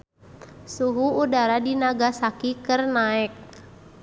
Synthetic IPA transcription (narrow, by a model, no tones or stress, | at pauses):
suɦuːdaɾadinaɡasakikərnaɛk̚